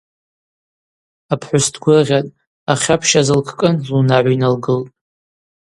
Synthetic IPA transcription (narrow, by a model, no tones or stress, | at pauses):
apʰħʷʊstʰɡʷʊʁʲatʼ | aχʲapʰʃazɨlkʰkʼɨnlunaʕʷinalɡɨltʼ